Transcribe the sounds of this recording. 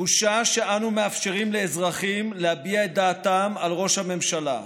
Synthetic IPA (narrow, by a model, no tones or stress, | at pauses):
uʃaʃe̞anume̞afʃe̞ʁimle̞ːzʁaχimlehabiaet̚d̪aːt̪amalʁo̞ʃhame̞mʃala̰